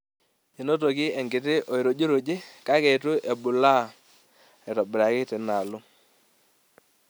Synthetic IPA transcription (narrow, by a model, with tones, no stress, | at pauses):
e˨no˦to˨kɪ˦ɛ˨ŋɡɪ˨tɪ˦ʔo˨i˨ɾo˨d͡ʒo˦ɾo˨d͡ʒe˦ka˦kɛ˨tʊ˦ʔɛ˨bʊ˨la˦˨ | ɛ˨tɔ˨bɪ˨ɾa˨kɪ˦tɪ˨na˨lʊ˦